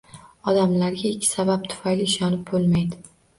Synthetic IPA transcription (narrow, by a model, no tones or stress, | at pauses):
ɒd̪amlaɾɡʲaɪkʲʰːɪ̥sabap̚t̪ʰʊ̥fajlɪːʃɒnɪp̚bolˠmajd̪ɪ